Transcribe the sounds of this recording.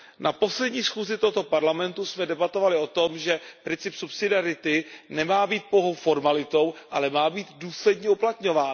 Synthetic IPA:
nʔapo̞slɛdɲiːsxuːzɪt̪oɦot̪o̞paɾlamɛnt̪usmɛdɛbat̪o̞valɪo̞t̪omʒɛpɾɪnt͡sɪpsupsɪdɪaɾɪt̪ɪnɛmaːbiːt̪̚poɦo̞wfo̞ɾmalɪt̪o̞wʔalɛmaːbiːd̪duːslɛdɲɛuplat̪ɲo̞vaːn

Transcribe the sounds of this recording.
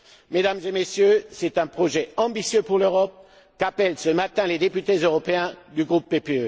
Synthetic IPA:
med̪amzemesjøsɛt̪ɛ̃pχɔʒɛɑ̃bisjøpuʁløʁɔp̚ | kapɛlsəmat̪ɛ̃led̪epyt̪ezøʁɔpeɛ̃d̪yɡʁupːepeø

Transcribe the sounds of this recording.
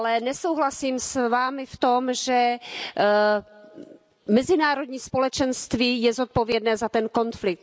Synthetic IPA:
lɛnɛso̞wɦlasiːmsvaːmɪft̪o̞mʒɛ | mɛzɪnaːɾo̞dɲiːspo̞lɛt͡ʃɛnst̪viːjɛzot̪̚po̞vjɛdnɛːzat̪ɛnko̞nflɪk̚t̪

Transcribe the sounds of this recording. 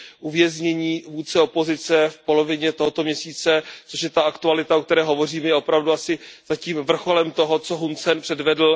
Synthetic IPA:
ʔuvjɛzɲɛɲiːvuːt͡sɛo̞po̞zɪt͡sɛfpo̞lo̞vɪɲɛt̪oɦot̪o̞mɲɛsiːt͡sɛt͡soʃjɛt̪aakt̪ualɪt̪aok̚t̪ɛɾɛːɦo̞vo̞riːmɛjɛʔo̞pɾavduasɪz̥aciːmvr̩xo̞lɛmt̪o̞ɦot͡so̞ɦunt͡sɛnpr̥ɛdvɛdl̩

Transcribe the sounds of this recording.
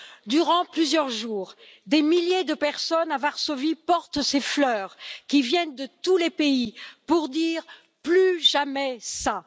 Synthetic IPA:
d̪yʁɑ̃plyzjœʁʒuːʁ | d̪emiljed̪əpɛʁsɔnavaʁsovipɔʁt̪seflœːʁkʲivjɛnd̪ət̪ulepeipuʁd̪iːʁ | plyʒamɛsa

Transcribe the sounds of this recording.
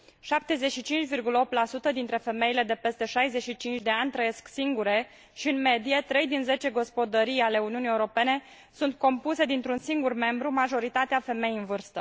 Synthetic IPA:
ʃap̚t̪e̞ze̞ʃit͡ʃint͡ʃʲvirɡuləo̞p̚t̪lasut̪əd̪int̪ɾe̞fe̞me̞ile̞d̪e̞pe̞st̪e̞ʃajze̞ʃit͡ʃint͡ʃʲd̪e̞anʲt̪ɾəje̞sksiŋɡuɾe̞ | ʃiɨnme̞d̪ije̞t̪ɾe̞jd̪inze̞t͡ʃe̞ɡo̞spo̞d̪əɾijale̞uniunijeuɾo̞pe̞ne̞ | sunt̪̚ko̞mpuse̞d̪int̪ɾunsiŋɡurme̞mbɾumaʒo̞ɾit̪at̪eafe̞me̞jiɨnvɨrst̪ə

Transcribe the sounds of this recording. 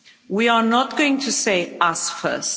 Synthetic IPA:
wiənət̚ɡ̥oʊɪ̃ŋtʰuseɪasfɜ̰ˑst

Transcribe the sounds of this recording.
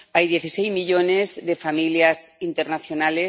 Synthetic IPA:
ajðjeθisejzmiʎonezðefamiljasint̪eɾnaθjonale

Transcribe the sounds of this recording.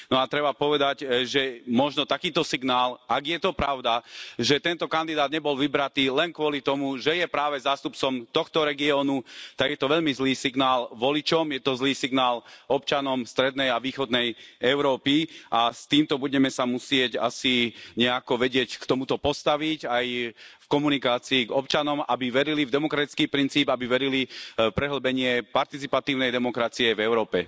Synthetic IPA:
nɔat̪ɾɛbapɔʋɛd̪aɟʒɛmɔʒnɔt̪akiːt̪ɔsiɡnaːlʔaɡjɛt̪ɔpɾaʊd̪aʒɛt̪ɛnt̪ɔkand̪id̪aːd̪ɲɛbɔlʋibɾat̪iːlɛnkʋʊɔlit̪ɔmuʒɛjɛpɾaːʋɛzaːst̪up̚t͡sɔmt̪ɔxt̪ɔɾɛɡiɔːnut̪aɡjɛt̪ɔʋɛʎmizliːsiɡnaːlʋɔlit͡ʃɔmjɛt̪ɔzliːsiɡnaːlɔp̚t͡ʃanɔmst̪ɾɛd̪nɛjaʋiːxɔd̪nɛjɛʊɾɔːpiast̪iːmt̪ɔbuɟɛmɛsamusɪɛɟa̰siɲɛakɔʋɛɟɪɛckt̪ɔmut̪ɔpɔst̪aʋicajfkɔmunikaːt͡siːɡɔpt͡ʃanɔmabiʋɛɾilivd̪ɛmɔkɾat̪it͡skiːpɾint͡siːbabiʋɛɾilipɾɛɦl̩bɛɲɪɛpaɾt̪it͡sipat̪iːʊnɛjd̪ɛmɔkɾat͡siɛvɛʊɾɔːpɛ

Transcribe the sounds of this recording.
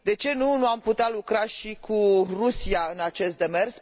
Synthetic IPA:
d̪e̞t͡ʃe̞nunuamput̪ealukɾaʃikurusiaɨnat͡ʃe̞st̪̚d̪e̞me̞rs

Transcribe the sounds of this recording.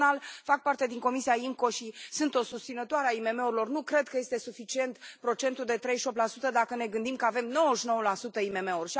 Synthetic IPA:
alfak̚part̪e̞d̪iŋko̞misiaiŋko̞ʃisɨnt̪o̞sust̪sinət̪oaɾeaime̞me̞uɾilo̞rnukɾe̞d̪̚kəje̞st̪e̞sufit͡ʃie̞nt̪pɾo̞t͡ʃe̞nt̪uld̪e̞t̪ɾe̞jʃop̚t̪lasut̪əd̪akəne̞ɡɨnd̪imkəave̞mno̞wəʃino̞wəlasut̪əime̞me̞urʲʃi

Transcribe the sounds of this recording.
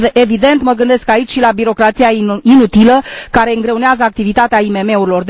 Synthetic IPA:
evid̪e̞nt̪məɡɨnd̪e̞skait͡ʃʲʃilabiɾo̞kɾat̪sijainut̪iləkaɾe̞ɨŋɡɾe̞uneazəak̚t̪ivit̪at̪eaime̞me̞uɾilo̞rd̪

